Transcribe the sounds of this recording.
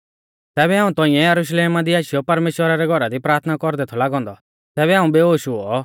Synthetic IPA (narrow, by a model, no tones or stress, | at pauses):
t̪ɛːbɛɦaːũt̪ɔ̃ːɪ̃ɛ̃jɐɾuʃ̬leːmãd̪iaːʃɪjɔpɐɾmeːʃwəɾaɾɛɡʱɔɾad̪ipɾaːɾt̪ʰnakɔɾd̪ɛt̪ʰɔlaːɡɔ̃ːnd̪ɔ | t̪ɛːβɛɦãːũbeɦoːʃʊɔ